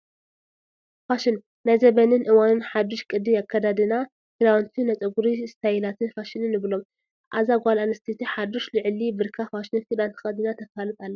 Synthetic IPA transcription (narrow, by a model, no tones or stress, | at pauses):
faʃɪn | najzɐbɐnɨnʔɨwanɨnħad̪ːɪʃkʼɨd̪ijakʰːɐd̪ad̪ɨna | kʰɨlawnt̪ʰinɐt͡sʼɐɡuɾist̪ʰajilat̪ʰɨnfaʃinɨnːɨβɨlo̞m | ʔa̰zaɡʷalanɨst̪ʰet̪ʰiħad̪oʃlɨʕɨlibɨɾkʰafaʃnɨnfid̪ant̪ʰɨ̥xɐd̪inat̪ʰɐfalɨt̪ʼalːɐ